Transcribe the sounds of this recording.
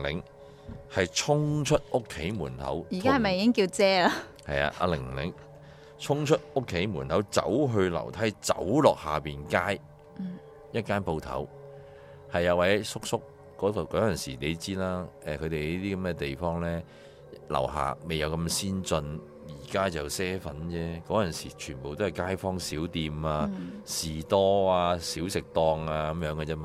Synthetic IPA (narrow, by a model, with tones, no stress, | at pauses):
lɪ˨˥ŋ | hɐ˨jt͡ʃʰʊ˥ŋt͡ʃʰɵ˥t̚ʊ˥kʰːe˨˥jmuː˨˩nt̪ʰɐ̰˨˥wjiː˨˩kaː˥hɐ˨˩mɐ˨jiː˨˧kɪ˥ŋkiː˧wt͡sɛː˥la˥ | hɐ˨ja̰ː˧ʔa̰˧lɪ˨˩ŋlɪ̰˨˥ŋ | t͡sʰʊ˥ŋt͡ʃʰɵ˥t̚ʊ˥kʰːe˨˥jmuː˨˩nt̪ʰɐ˨˥wt͡sɐ̰˨˥wɦɵ˧lɐ̰˨˩wt̪ʰɐ˥jt͡sɐ̰˨˥wlɔː˨k̚haː˨piː˨nkaː˥j̩˨ | jɐ˥t̚kaː˥npo˧wt̪ʰɐ̰˨˥w | hɐ˨jːɐ˨˧wɐ˨˥jsʊ˥k̚sʊ˥kː | ɔː˨˥˧kɔː˨˥jɐ˨nsiː˨˩ne˨˧˥t͡siː˥laː˥ʔɛː˨kʰɵ˨˧t̪e˨iː˦˥t̪iː˥kɐ˨˦mkɛ˧t̪e˨jfɔː˥ŋlɛː˥ | lɐ̰˨˩wɦa̰ː˨me˨jɐ˨˧wkɐ˧msiː˥nt͡sɵ˧n | jiː˨˩kaː˥t͡sɐ˨˩wsɛː˥fɐ̰˨˥nt͡sɛː˥kɔː˨˥jɐ˨nsiː˨˩t͡ʃʰyː˨˩npo˨wt̪o˥hɐ˨˩jkaː˥jfɔː˥ŋsiː˨˥wt̪iː˧maː˧siː˨t̪ɔː˥aː˧siː˨˥wsɪ˨k̚t̪ɔː˧ŋaː˧kɐ˨˦mjœː˨˧˥ŋkɛ˧t͡sɛː˥ma˧